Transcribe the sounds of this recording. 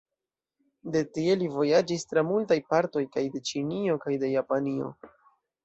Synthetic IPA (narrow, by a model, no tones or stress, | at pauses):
de̞tie̞livo̞jad͡ʒistɾamultajpaɾto̞jkajde̞t͡ʃinio̞kajde̞japanio̞̰